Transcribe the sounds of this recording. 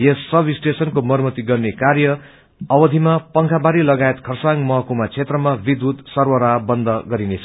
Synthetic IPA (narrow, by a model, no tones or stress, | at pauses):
ʌsːʌbisʈesʌnkomʌɾumʌt̪iɡʌrnekaɾjʌ | ʌbʌd̪ʱimapʌŋkʰabaɾilʌɡaet̪kʰʌrsaŋmʌɦʌkumat͡sʰet̪rʌmabid̪ud̪sʌrwʌɾabʌnd̪ʱʌɡʌɾinet͡sʰʌ